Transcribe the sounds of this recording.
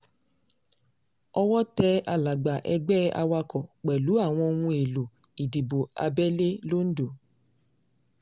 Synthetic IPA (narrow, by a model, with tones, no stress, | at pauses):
ɔ˧wɔ˦tɛ˧a˧˨la˨ɡ͡ba˨ʔɛ˧ɡ͡bɛ˦a̰˧wa˧kɔ˨k͡pɛ˨lu˨˦a˦˨w̃ɔ̃˧o˧wũ˧e˨lo˨ | i˨di˨bo˨a̰˧bɛ˦le˦lo˦n̩˦do˨